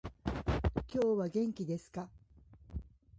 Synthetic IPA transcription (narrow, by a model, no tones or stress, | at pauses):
kʲo̞ːβaɡẽ̞ŋkʲid̪e̞sɨ̥ka